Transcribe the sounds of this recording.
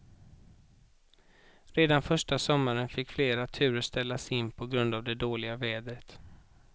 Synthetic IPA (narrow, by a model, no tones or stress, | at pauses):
ɾeːd̪anfœʂʈasɔmːaɾənfɪkːfleːɾat̪ʰʉ̟ːɾəʂt̪ɛlːasɪnːpʰɔɡɾɵnd̪avd̪ɛd̪oːlɪɡavɛːd̪ɾət̪